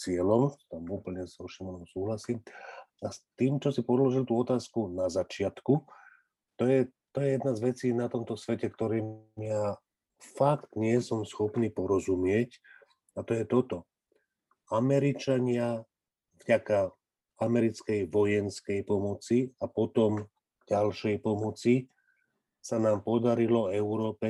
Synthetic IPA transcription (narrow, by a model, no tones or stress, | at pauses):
t͡sɪɛlɔmt̪amuːpl̩ɲɛsɔʃimɔnɔmsuːɦlasiːmast̪iːmt͡ʃɔsipɔd̪lɔʒilt̪uːɔt̪aːskunazat͡ʃɪat̪ku | t̪ɔjɛt̪ɔjɛjɛd̪nazʋɛt͡siːnat̪ɔmt̪ɔsʋɛcɛkt̪ɔɾiːmja | fakt̪ɲɪɛsɔmsxɔpniːpɔɾɔzumɪɛc | at̪ɔjɛt̪ɔt̪ɔ | amɛɾit͡ʃaɲɪa | vɟaka | amɛɾit͡skɛjʋɔjɛnskɛjpɔmɔt͡siapɔt̪ɔm | ɟ̥alʃɛjpɔmɔt͡si | sanaːmpɔd̪aɾilɔɛʊɾɔːpɛ